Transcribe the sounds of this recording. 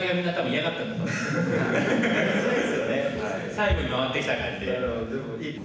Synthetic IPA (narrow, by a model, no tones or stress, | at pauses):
ɾʲiɡamʲĩnːat̪abɯ̟̃iaɡat̪ːãnd̪at̪o | soːd̪esɨjone | saiɡo̞ɲ̟imaβat̪ːekʲit̪aɡat̪ːed̪emo